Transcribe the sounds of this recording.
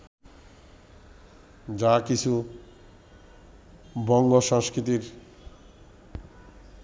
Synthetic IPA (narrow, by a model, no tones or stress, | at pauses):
d͡ʑakit͡ɕʰu | bɔŋɡoʃãŋskɾit̪iɾ